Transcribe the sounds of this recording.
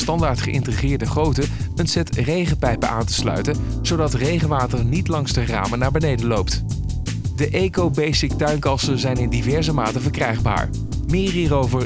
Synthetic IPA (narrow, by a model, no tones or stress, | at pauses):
stɑndaːɹtχəʔɪ̰ntrəχɪːɹdəχrowtə | ənsɛtrejχəpɛjpəʔa̰ːntə̥slœ̰ɥtən | z̥owdɑtrejχəʋaːtəɹnitlɑŋzdəra̰ːmənaːɹbənejdəlowpt | dəʔeːkowbejsɪktœɥnkɑsənzɛjnɪndivɛɹzəmaːtəvəɹkrɛjχba̰ːɹ | mɪːriːrowvəɹ